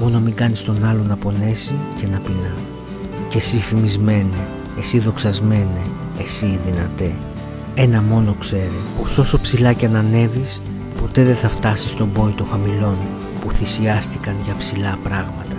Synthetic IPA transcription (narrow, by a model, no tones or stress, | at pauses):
mo̞nomiɡɐnist̪o̞nɐlo̞nɐpo̞ne̞sice̞nɐpinɐ | ce̞sifimizme̞neː | siðo̞ksɐzme̞neː | siðinɐt̪e | e̞nɐmo̞no̞kse̞ɾepo̞so̞so̞psilɐceɐnɐne̞vis | po̞t̪e̞ðe̞nθɐft̪ɐsi̥st̪o̞bo̞it̪o̞xɐmilo̞n | puθisiɐst̪ikɐnʝɐpsilɐpɾɐɣmɐt̪ɐ